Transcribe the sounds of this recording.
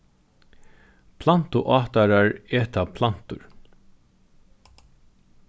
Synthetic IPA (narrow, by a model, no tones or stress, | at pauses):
pʰlan̥t̪ʊʔɑːt̪aɾaɹeːt̪apʰlan̥t̪ʊɹ